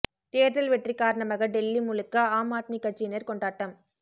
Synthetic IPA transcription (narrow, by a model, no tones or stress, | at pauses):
t̪eːɾðɐlʋɛʈrikaːɾɐɳɐmɐɣɐɖɛlːimʊlɯkːɐaːmaːt̪̚mikːɐt͡ʃːɪnɐɾkɔɳɖaːʈːɐm